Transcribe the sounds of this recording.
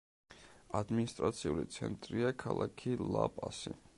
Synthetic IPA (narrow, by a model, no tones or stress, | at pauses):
ad̪minist̪ʼɾat̪sʰiulit̪sʰɛnt̪ʼɾiakʰalˠakʰilˠapʼasḭ